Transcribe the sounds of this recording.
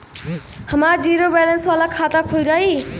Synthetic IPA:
həmaɾd͡ziɾobɛlənswalakʰat̪akʰoiɾʌɦi

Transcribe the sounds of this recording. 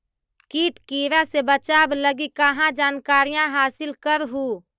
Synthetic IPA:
kiːt̪kiːɾasebət͡ʃaːbləɡikɐɦãd͡ʒaːnkaːɾijãɦaːsɪlkəɾɦuː

